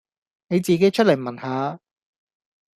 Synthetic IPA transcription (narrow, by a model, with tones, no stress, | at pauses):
ne˨˧jt͡siː˨ke˨˥jt͡ʃʰɵ˥t̚lɐ˨˩jmɐ˨˩nhaː˨˧